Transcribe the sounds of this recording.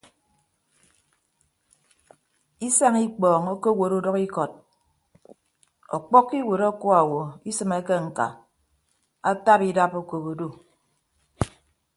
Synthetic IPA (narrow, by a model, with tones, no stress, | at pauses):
i˦sa˦ŋi˦k͡pɔː˨ŋo˦ko˦wo˨ɾu˦dɔ˦ki˦kɔ˨t̚ | ɔ̰˨k͡pɔ˦kːi˦wo˨ɾo˦kɔ˦a˨wo˨i˦sɨ˨me˦ke˦ŋ̩˨ka̰˨ | a˦ta˦pi˦da˦po˦ko˨βo˨do˦